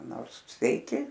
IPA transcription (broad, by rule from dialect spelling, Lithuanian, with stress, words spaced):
ˈnoːrs sʲʋʲɛɪˈkʲɪ